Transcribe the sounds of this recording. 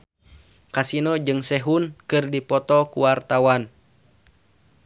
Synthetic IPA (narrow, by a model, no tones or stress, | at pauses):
kasinɔd͡ʒɨŋsɛɦunkɨrdipɔt̪ɔkuwart̪awan